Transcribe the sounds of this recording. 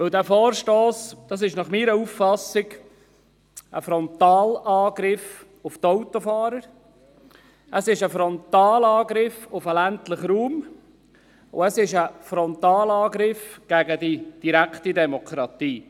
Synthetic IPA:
ʋɪldæːfɔːɾʃtoːsd̥ɑs̬ɪʃnɑχmiːɾəuffɑsɪɡ | ʔəfɾɔnt̪ɑːlɑːɡɾɪf | ʊft̪ɔwt̪ofɑːɾəɾ | ʔəsɪʃəfɾɔnt̪ɑːlɑːɡɾɪfʊfəlæntləχɾuːm | ʊ̰əsɪʃəfɾɔnt̪ɑːlɑːɡɾɪfɡ̥æɡədid̥iɾækχtidɛmɔkʰɾɑt̪iː

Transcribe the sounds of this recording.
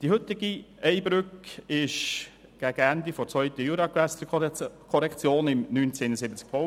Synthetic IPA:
d̥ihɵt̪ɪɡiɛɪbɾʏkɪʃ | ɡ̥æɡ̥əænd̪ifɔɾt͡svœʏt̪əjuɾɑkʋæsət͡səkʰɔɾɛkt͡sjoːnɪmnynt͡senəsɪbət͡sk̚pʰɔ

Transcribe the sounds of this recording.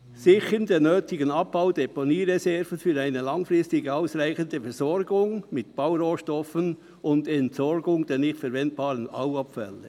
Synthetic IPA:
sɪçəndeːnːøːtɪɡənɑp̚b̥aʊd̥ɛpɔniːɾɛsɛɾvənfyːɾaɪnəlɑŋfrʁɪstɪɡəaʊsɾaɪçəndəfɛɾzɔɾɡʊŋmɪtb̥aʊɾoːʃtɔfən | ʊndɛntsɔɾɡʊŋd̥ɛːnɪχtfɛɾvɛnt̚b̥ɑːɾəna̰ʊɑpfɛ̰lːə

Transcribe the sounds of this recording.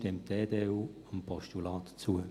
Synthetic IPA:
tɛmteːdeːuːəmpɔʃtulɑːt̪t͡suə

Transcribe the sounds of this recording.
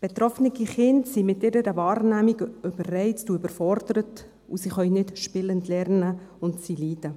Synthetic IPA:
b̥et̪ɾɔfənəɡiχɪntsimɪtɪɾəɾəvɑːɾnæːmiɡøb̥ərːɛɪttuʏbəɾfɔɾd̥̪əɾət | ṵsiχœʏnɪtʃpɪləntlɛrnəʊntsiliːd̥ə

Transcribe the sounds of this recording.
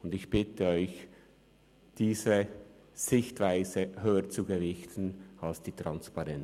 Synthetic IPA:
ʊndɪçb̥ɪtəɔʏç | d̥iːzə | z̥ɪçtv̥aɪzəhøːət͡suɡəvɪçtn̩alsd̥iːtʁanspɑʁɛn

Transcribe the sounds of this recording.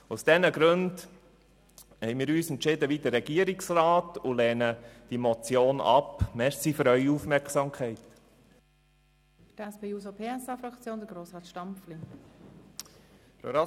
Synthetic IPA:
ʊsd̥ɛnəɡɾønd | hɛɪmiːɾyːsɛntt͡ʃɪdəʋid̪ərːɛɡ̥iəɾiksɾɑːtulɛːnəd̥imɔt͡sjoːnɑ̰pmɛɾsifyɾœʏɥiufmɛɾksɑmkʰχɛɪt | d̥ɛspeuːzopʰeːɛsɑːfɾɑkt͡sjoːndəɡɾoːsɑːtʃtɑmfli | fɾo̰ɑ

